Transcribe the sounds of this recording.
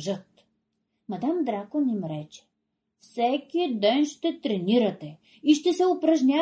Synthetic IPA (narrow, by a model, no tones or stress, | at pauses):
ʒət̪ | mɐd̪amd̪ɾakonimɾɛt͡ʃɛ̥ | fsɛkid̪ɛnʃt̪ɛt̪ɾɛniɾɐt̪ɛ | iʃt̪ɛsɛopɾɐʒnʲa